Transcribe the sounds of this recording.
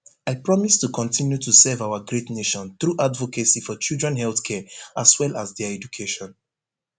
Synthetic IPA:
aɪpɹɔmistukʰɔ̃ntʰĩnjutʰusɛvaʊaɡɹetneʃɔ̃nθɹuʔadvɔkesifɔt͡ʃildɹɛ̃nhɛlθkʰɛaswɛlazðɛəɛd͡ʒukʰeʃɔ̃n

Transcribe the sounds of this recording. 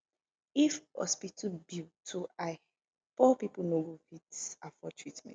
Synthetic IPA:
ifhɔ̰spitʰubitʰoa | pɔpipunoɡofitsafɔtʰɹitmɛ̰̃

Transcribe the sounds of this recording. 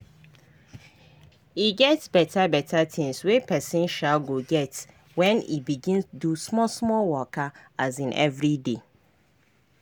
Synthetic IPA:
iɡɛtsbɛtʰabɛtʰatʰɪ̃ŋswepʰɛsɪ̃nʃalɡoɡɛt | wɛ̃nḭbiɡĩnstudusmɔsmɔlwɔkʰaazĩnʔɛ̰vɹide

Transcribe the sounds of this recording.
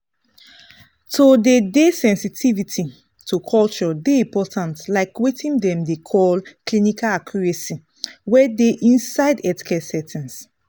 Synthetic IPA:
todedesɛ̃nsitʰivitʰi | tʰukʰɔlt͡ʃɔdeĩmpɔtʰãntlaɪkwetĩndɛ̃mdekʰɔlklinikalakʰjɔɹɛsi | wɛdeʔĩnsaɪdɛti̥kɛsɛtʰĩns

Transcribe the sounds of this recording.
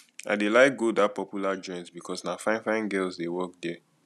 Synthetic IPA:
a̰ɪdelaɪk̚ɡodat̚pɔpjulad͡ʒɔ̃ɪ̃ntbikʰɔsnafãɪ̃nfãɪ̃nɡɛlzdewɔk̚dɛ

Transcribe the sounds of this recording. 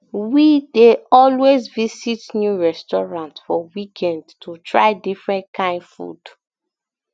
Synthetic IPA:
wideɔlwezvisitnjuɹɛstɔɹãntfɔwikʰɛ̃ndtʰutʰɹa̰ɪdifɹɛ̃ntkʰãɪ̃nfṵd

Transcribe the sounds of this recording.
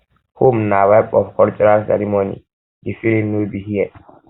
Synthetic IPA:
homnawɛbɔfkɔnt͡ʃɛɾansɛ̰ɾimonḭ | difilinnːubihiɛ

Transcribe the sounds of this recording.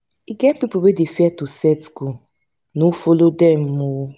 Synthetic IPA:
iɡɛpipobedefiɛtusɛtsku | nufolodɛm̩mu

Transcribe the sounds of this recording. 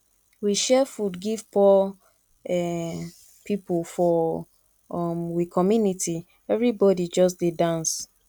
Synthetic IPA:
wiʃɛfudɡiv̥pɔ | ɛ | pʰipulfɔ | ɔmwikʰɔmjunitʰi | ɛvɹibɔdid͡ʒɔs̬dedãns

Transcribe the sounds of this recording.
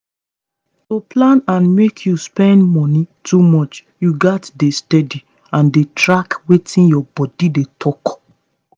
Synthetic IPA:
toplãnãnmekʰjuspɛ̃ndmɔnitumɔt͡ʃ | juɡatdestɛdi | ãndetɹakwetʰĩnjɔbɔdidetʰɔk

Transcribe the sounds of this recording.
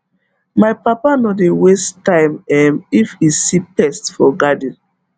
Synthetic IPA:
majpapanɔdewestãɪmɛmifisipɛstfɔɡadĩn

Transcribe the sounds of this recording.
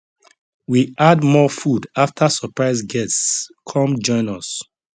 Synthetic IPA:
wiʔadmɔfudaftʰasɔpɹaɪzɡɛsskʰɔ̃md͡ʒɔ̃ɪ̃nɔs

